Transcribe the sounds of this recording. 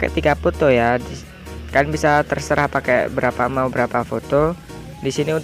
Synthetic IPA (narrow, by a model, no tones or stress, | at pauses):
kɛ̰t̪iɡapot̪ojadi | kaəŋbisat̪ərsəɾahpakɛ̰bəɾapamabəɾapafot̪o | disiniun